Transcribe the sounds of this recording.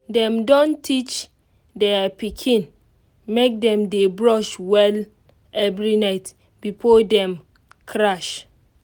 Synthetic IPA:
dɛ̃mdɔ̃ntʰit͡ʃ | dɛpikʰĩn | mek̚dɛ̃mdebɹɔʃwɛl | ɛvɹinaɪt | bifodɛ̃m | kʰɹaʃ

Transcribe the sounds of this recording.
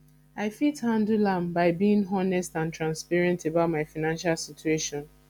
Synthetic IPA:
aɪfithãndulãmbaɪbiĩŋɦɔnɛstãntɹãnspɛɹɛ̃ntebaʊtmaɪfaɪnãnʃalsitueʃɔ̃n

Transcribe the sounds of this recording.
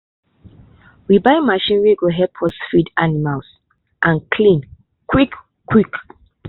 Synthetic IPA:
wibaɪmaʃĩnɹiɡoɦɛpʰɔsfidanimals | ʔãnkʰlĩn | kʰwikː | wik

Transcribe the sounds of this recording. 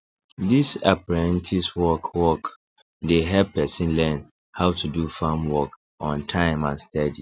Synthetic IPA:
disapaɹɛ̃ntʰiswɔkʰwɔk | deɦɛpːɛsĩnlɛ̃n | haʊtʰudufãmwɔk | ʔɔ̃ntʰãɪ̃mãnstʰɛdi

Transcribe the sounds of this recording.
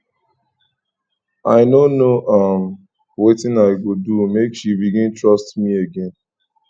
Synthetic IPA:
aɪnonoʔam | wetɪ̃naɪɡodumekʃibiɡɪ̃ntɹɔstmieɡẽn

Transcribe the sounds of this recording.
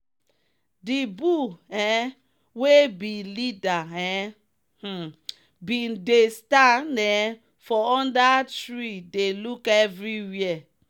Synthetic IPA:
dibuɛ̃ | webĩlidaɛ | h̩ | bidestanɛ | fɔɔ̃ndatɹidelukɛvɹiwiɛ

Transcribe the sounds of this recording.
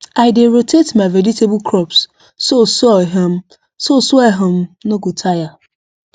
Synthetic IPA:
aɪdeɾotʰetmaɪvɛd͡ʒitebʊkʰɾɔpsː | osɔiɦem̩ | sosɔɛɦʊm̩noɡutʰaja

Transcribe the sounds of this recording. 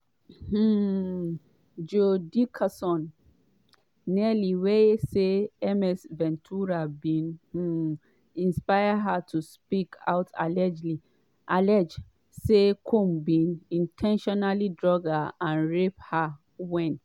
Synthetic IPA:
h̩ | d͡ʒodikʰasɔ̃n | ɛliweseɛmɛsvɛ̃ntʰuɾabĩnh̩ | ĩnspajaɦatʰuspikʰa̰ʊtʰa̰lɛd͡ʒli | ʔalɛd͡ʒ | sekʰõmbĩnĩntʰɛ̃nʃɔnalidɹɔɡaãnɹepha | wɛ̃n

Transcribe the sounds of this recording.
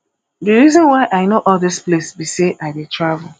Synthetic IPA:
dəɹizɔ̃nwaɪʔaɪnoʔɔldisplesbiseʔaɪdetʰɹavʊl̩

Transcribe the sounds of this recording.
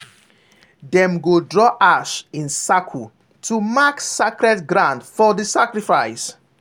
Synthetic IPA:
dɛ̃mɡodɹɔʔaʃĩnsakʰu | tʰumaksakɾɛtɡɾãndfɔdəsakɾifaɪs

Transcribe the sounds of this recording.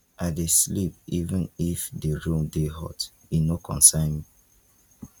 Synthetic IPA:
adeslip̚ivɛ̃nifdəɹũmdeɦɔ̰t | inokʰɔ̰̃nsãɪ̃nmi

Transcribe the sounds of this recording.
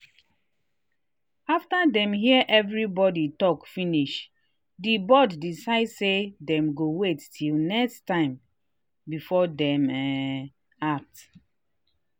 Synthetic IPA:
aftadɛ̃mɦiəʔɛvɹibɔditɔkfiniʃ | dibɔddisaɪdsedɛ̃mɡowetːʰilnɛkstãɪ̃m | bifɔdɛ̃mɛ | ak̚t

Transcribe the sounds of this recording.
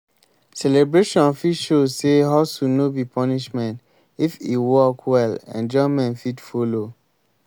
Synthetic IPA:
sɛlebɹeʃɔ̃nfiʃozseɦaʊsunobipʰɔniʃmɛ̃nt | ifiwɔkʰwɛlɛ̰̃nd͡ʒɔmɛ̃nfidfolo

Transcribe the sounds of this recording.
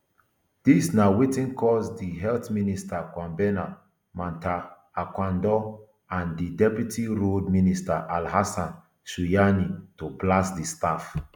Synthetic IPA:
d̥isnawetĩnkʰɔsdiɦɛltministakwãmbɛna | mãntaː | kwãndɔ | ãndidɛpjutʰiɹodministaʔalhasãn | sujanitoplasdistaf

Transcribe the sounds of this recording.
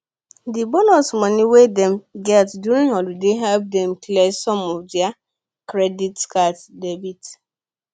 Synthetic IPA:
dibɔnɔsmɔniwedɛmɡɛtdjuɾĩŋɦɔludeɦɛlp̚dɛmklesɔmɔd͡ʒia | kɾɛditkatdebit

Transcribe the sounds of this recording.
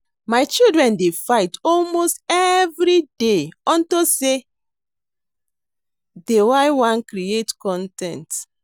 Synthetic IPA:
maɪt͡ʃildɹɛ̃ndefaɪtɔlmostɛvɹideɔ̃ntose | dewaɪwãnkɾietkɔ̃ntɛ̰̃nt

